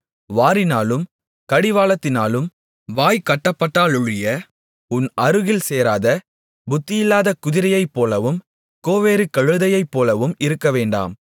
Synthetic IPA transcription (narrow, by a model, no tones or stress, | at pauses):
ʋaːɾɪnaːlɯm | kɐɽɪʋaːlɐt̪ːɪnaːlɯm | ʋaːjkɐʈːɐpːɐʈːaːlʊɻɪjɐ | ʊnɐɾɯɣɪlseːɾaːðɐ | bʊt̪ːɪjɪlːaːðɐkʊðɪɾɐjɐɪpːoːlɐʋɯm | koːʋeːɾɯkɐɻɯðɐjɐɪpːoːlɐʋɯmɪɾɯkːɐʋeːɳɖa̰ːm